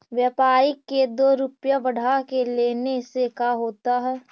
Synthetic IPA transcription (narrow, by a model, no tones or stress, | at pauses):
ʋjɐpaːɾɪkːed̪oːɾʊpjabɐɽ̤akeleːnesekaɦoːt̪aɦɛː